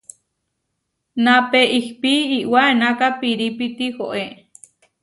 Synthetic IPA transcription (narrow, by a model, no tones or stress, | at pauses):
napeʔihpiiʔwaenakapiɾipit̪ihoʔe